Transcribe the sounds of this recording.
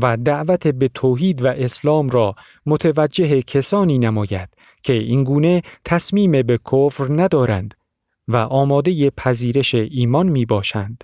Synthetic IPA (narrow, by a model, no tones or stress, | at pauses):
væd̪æʔvæt̪ʰebe̞t̪ʰoːɦiːd̪væʔe̞slɒːmɾɒː | mot̪ʰevæd͡ʒːe̞ɦe̞kʰesɒːniːnæmɒːjæd̪̥ | cʰe̞inɡuːne̞t̪ʰæsmiːmebe̞kʰofɾnæd̪ɒːɾæ̰nd̪̥ | væʔɒːmɒːd̪e̞je̞pʰæziːɾe̞ʃe̞ʔiːmɒnmiːbɒːʃænd̪̥